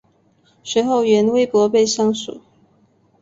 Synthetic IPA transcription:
swe˨˧˦ɪxo˥˨ʊɥɛ˧˥nwe˥ɪpwɔ˧˥pe˥˨ɪɕjɑ˥ŋsṵ˨˩˦

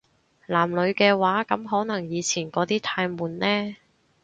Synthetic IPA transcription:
laː˨˩mlɵ˨˧ɥkɛː˧waː˨˥kɐ˨˥mɦɔː˨˥nɐ˨˩ŋjiː˨˧t͡sʰiː˨˩nkɔː˨˧˥t̪iː˥t̪ʰaː˧jmuː˨˥nlɛː˥

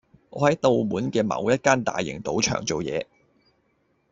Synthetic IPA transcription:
ŋɔ̰ː˨˧hɐ˨˥jt̪o˨˧wmuː˨˥nkɛː˧mɐ̰˨˧wjɐ˥t̚kaː˥nt̪a̰ː˨jːɪ̰˨˩ŋt̪o˨˥wt͡ʃʰœ̰ː˨˩ŋt͡so˨wjɛ̰ː˨˧

